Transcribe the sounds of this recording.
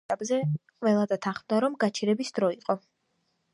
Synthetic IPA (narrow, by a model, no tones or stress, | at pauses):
apʼzɛqʼvɛlˠad̪at̪ʰanχmd̪aɾɔmɡat͡ʃʰiɾɛbisd̪̥ɾɔiqʼɔ